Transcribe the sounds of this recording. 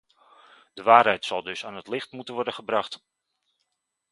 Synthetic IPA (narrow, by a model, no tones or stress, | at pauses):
d̥əʋaːɾɦɛjtsɑlˠdɵsaːnɦətlɪχtmutənʋɔɹdənχəbrɑχt